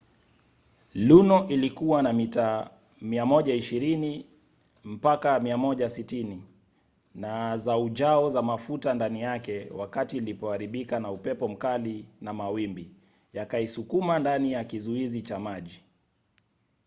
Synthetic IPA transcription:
lunɔʔilikuwanamitaː | miamɔʄaiʃiɾini | m̩pakamiamɔʄasitini | nazauʄaɔzamafutandanijakɛwakatiːlipɔaɾiɓikanaupɛpɔm̩kalinamawimbi | jakaisukumandanijakizuizit͡ʃamaʄi

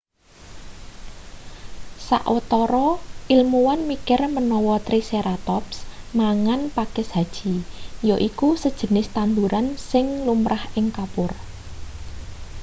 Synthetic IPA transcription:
sa̰ʔɔt̪ɔɾɔʔilmuwanmikɪrmənɔwɔt̪ɾiseɾat̪ɔpsmaŋanpakɛsɦad̥ʒ̥i̤joʔikusəd̥ʒ̥ə̤nɪst̪and̪uɾansɪŋlumɾʔahɪŋkapʊr

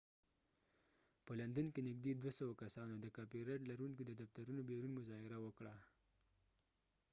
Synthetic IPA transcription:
pəland̪ankenɪɡ̚d̪ed̪wasawakasɑnod̪əkɑpiɾeʈlaɾunkid̪əd̪aft̪aɾunobeɾunmʊzɑhɪɾawəkɽa

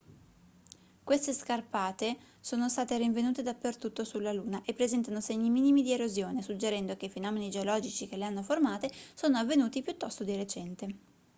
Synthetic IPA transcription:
kwest̪eskarpaːt̪e | soːnost̪aːt̪eɾiɱvenuːt̪ed̪apːert̪ut̪ːosulːaluːnaʔepːɾezɛnt̪anoseɲːimiːnimid̪ieɾozjoːnesud͡ʒeɾɛnd̪ok̟eifenɔːmenid͡ʒeolɔːd͡ʒit͡ʃik̟eleanːoformaːt̪esoːnoavːenuːt̪ipjut̪ːɔst̪od̪iret͡ʃɛnt̪e

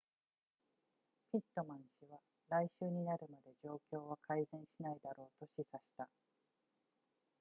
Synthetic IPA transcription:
pʲit̪ːo̞mãɰ̃ɕiβa | ɾaiɕɨːɲ̟inaɾɯ̟mad̪e̞d͡ʑo̞ːkʲo̞ːβ̞akʰaizẽ̞ɰ̃ɕinaid̪aɾo̞ːt̪o̞ɕisaɕi̥t̪a

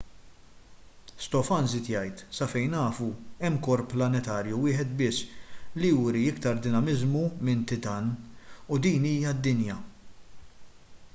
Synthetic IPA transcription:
st̪ɔfɐnzɪt̪jɐjt̪sɐfɛjnɐːfuɛmːkɔɾplɐnɛt̪ɐːɾjuwɪːħɛt̪bɪsːlijuːɾiɪkt̪ɐɾd̪ɪnɐmɪzmumɪnt̪ɪt̪ɐnud̪iːniːjɐd̪ːɪnjɐ

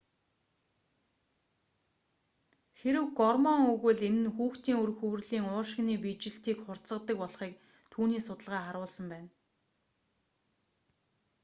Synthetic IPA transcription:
xeɾɘ̆wɡɔrmɔŋɵɣɘ̆ɮenɘ̆nxuːxt̪iːŋɵɾxɵ̆w̆rɮiːŋʊːʃɪ̆ɣniːpit͡ɕɪ̆ɬt̪iːkχʊr̥t͡sə̆qt̪ə̆k̚pɔɮχiːk̚ | t̪ʰuːniːsʊt̪ə̆ɮʁæːχaɾʊːɮsə̆mpæːn

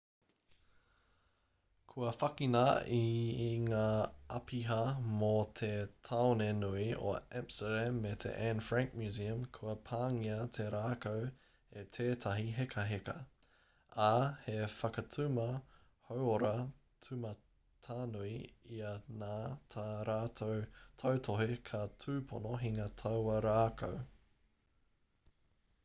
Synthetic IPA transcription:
kʰuɐfɐkinɐiŋaːʔɐ̰pʰiɦɐmot̪ʰetʰaonenuio̰ɛ̃mstəɾemet̪ʰḛʔænfɹæ̃ŋk̚mjʉːziəmkʰuɐpʰaːŋiɐt̪ʰeɾaːkow | et̪ʰeːtʰɐɦiɦekʰɐɦekɐ̰ | ahefɐkɐtʰʉmɐ | howoɾɐ | tʰʉmɐ | tʰaːnuiiɐnaːtʰaɾaːtotʰowtʰoɦekʰɐtʰʉːpʰonoɦiŋɐtʰɐwɐɾaːkʰo̰w

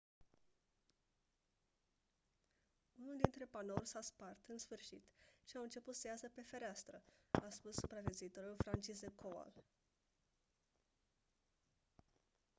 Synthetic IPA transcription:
unuld̪int̪ɾe̞panorʲsaspart̪ɨnsfɨrʃḭt̪ʃiawɨnt͡ʃe̞put̪səjasəpe̞fe̞ɾeast̪ɾəaspusːupɾave̞t̪zuit̪o̞ɾulfɾant͡ʃizekʰoa̰l

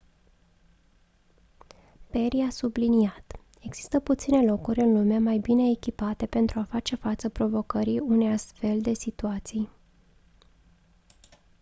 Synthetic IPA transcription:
pe̞ɾiasubliniat̪ | e̞ɡz̥i̥st̪əput̪sine̞lo̞kurʲɨnlumeamajbine̞ːkʲipat̪e̞pe̞nt̪ɾuafat͡ʃe̞fat̪səpɾo̞vo̞kəɾiune̞jast̪fe̞ld̪e̞sit̪uat̪sij

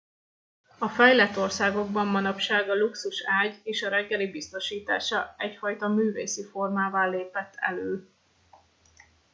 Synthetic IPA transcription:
ɒfɛjlɛt̪ːo̞rsaːɡo̞ɡbɒmːɒnɒpʃaːɡɒluksuʃaːɟeːʃɒɾɛɡːɛlibist̪o̞ʃiːt̪a̰ːʃɒɛcfɒjt̪ɒmyːvḛːsifo̞rmaːvaːleːpɛt̪ʰːɛ̰løː

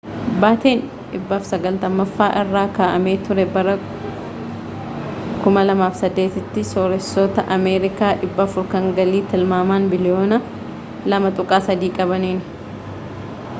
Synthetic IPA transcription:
baːt̪e̞ːn | ᶑɪbːafsɐɡɐlt̪ɐmːɐfːaːʔɪrːaːkaːʔɐmeːt̪ʊɾɛbɐɾɐ | kʊmɐlɐmaːfsɐd̪ːe̞ːt̪ɪt̪ːɪsoːɾɛsːoːt̪ɐʔɐmeːɾɪkaːᶑɪbːɐfʊɾkɐŋɡɐliːt̪ɪlmaːmaːnbɪlɪjoːnɐ | lɐmɐt̪ʼʊkʼaːsɐd̪iːkʼɐbɐniːn

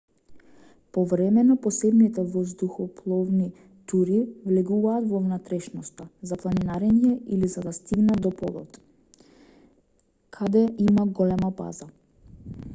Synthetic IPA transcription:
pɔvɾɛmɛnɔpɔsɛbnit̪ɛvɔzd̪uxɔpʰlˠɔvni | t̪uɾivlɛɡuvaːt̪vɔvnat̪ɾɛʃnɔst̪azaplˠaninaɾɛɲɛilizad̪ast̪iɡnad̪ɔpɔ̰d̪ɔ̰t̪ | kʰad̪ɛimaɡɔlɛmaba̰za

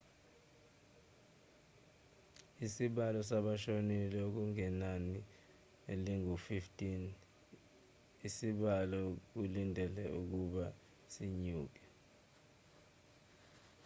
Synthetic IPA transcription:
isiɓalɔsaɓaʃonilɛk̬uŋɛnani | ḛliŋufiftʼin | isiɓalɔk̬ulindʱɛlɛuk̬uɓa | siɲuːk̬ɛ̥

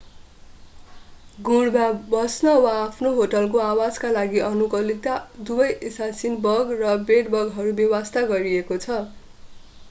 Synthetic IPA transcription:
ɡuɽbabʌsnʌwaːpʰnoɦoʈʌlk̬oawad͡zkalaɡiʔʌnukʌlit̪ad̪ubʌjʔesasinbʌɡrʌbeɖbʌɡɦʌɾubewast̪aɡʌɾiekot͡sʰʌ

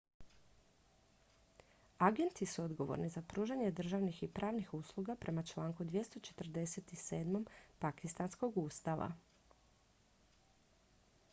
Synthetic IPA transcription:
aɡe̞nt̪isuo̞d̪ɡo̞ʋo̰ɾnizapɾuːʒaɲe̞d̪r̩ʒaʋnixipɾʔaːʋnixuːslˠuɡapɾe̞mat͡ʃlˠaːŋkud̪ʋje̞st̪o̞t͡ʃe̞̥t̪r̩d̪e̞set̪ise̞ːd̪mo̞mpakist̪ansko̞ɡuːst̪aʋa̰

